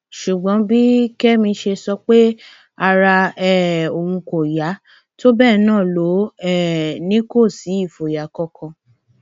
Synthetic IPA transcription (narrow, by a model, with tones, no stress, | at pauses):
ʃu˨ɡ͡bɔ̃˨˦bi˦kɛ˦mĩ˧ʃe˧sɔ˧k͡pe˦ | a˧ɾa˧ɛ˦o˨wũ˧ko˨ja˨˦ | to˦bɛː˦˨nãː˦˨lo˨˦ɛ˦˨nĩ˦ko˦˨si˨˦i˦˨fo˨ja˨˦kɔ˦kʰã˧